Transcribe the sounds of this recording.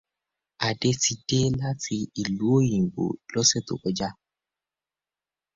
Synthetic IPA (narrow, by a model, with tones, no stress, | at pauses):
a˨de˧ti˧de˦la˦tʰi˧i˨lu˦o˦jĩ˨ɡ͡bo̰˨lɔ˦se˦to̰˨kɔ˦d͡ʒa˦